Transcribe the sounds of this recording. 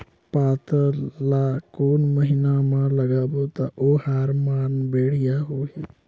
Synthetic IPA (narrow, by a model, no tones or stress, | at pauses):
paːt̪əlaːkoːnməɦɪnamãləɡaːboːt̪a̰ʔoːhaɾmaːnbeːɽ̤ɪjaːɦoːɦɛː